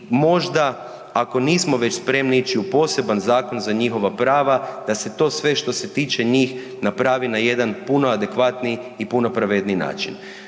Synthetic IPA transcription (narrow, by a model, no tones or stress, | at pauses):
mo̞ʒd̪a | ako̞niːsmo̞ʋe̞t͡ɕspɾe̞mniit͡ʃiupo̞ːse̞banzaːko̞nzaɲixo̞ʋapɾaːʋad̪̥ase̞t̪o̞sʋe̞ʃt̪o̞se̞t̪iːt͡ʃe̞ɲiːx | napɾaːʋinaje̞d̪anpunoad̪e̞kʋat̪niipuno̞pɾaʋed̪nina̰ːt͡ʃin